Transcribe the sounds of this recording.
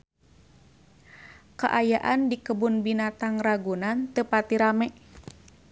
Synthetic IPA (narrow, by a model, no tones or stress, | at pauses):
kaʔajaʔandikəbunbinat̪aŋraɡunant̪əpat̪iɾamɛʔ